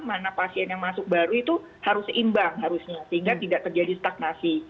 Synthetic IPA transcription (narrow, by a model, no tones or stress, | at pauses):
manapasiɛnjaŋmasʊk̚baɾuit̪u | haɾʊsimbaŋɦaɾusɲasəɦiŋɡat̪idaʔt̪ərd͡ʒadist̪ak̚nasi